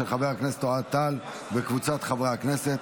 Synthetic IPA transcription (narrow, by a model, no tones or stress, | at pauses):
elχabeʁakneset̪ːoat̪ːal | bekvut͡sat̪χabʁaakneset̪